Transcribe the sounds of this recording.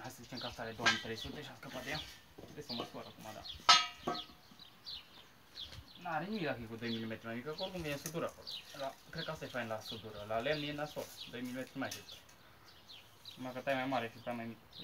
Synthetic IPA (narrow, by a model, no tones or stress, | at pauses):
hajsəzit͡ʃemkast̪aɾed̪owmit̪ɾejsut̪eʃʲaskəpat̪d̪eja | d̪esəməsoɾakumad̪a̰ | naaɾenimilakikud̪ojmilʲimet̪ɾʲimajmikakolokumvenesəd̪uɾakololakɾed̪̚kast̪aefajnlasəd̪uɾəlalemnienasold̪ojmilimet̪ɾimajʃest̪ə | makət̪ajemajmaɾefipamajmik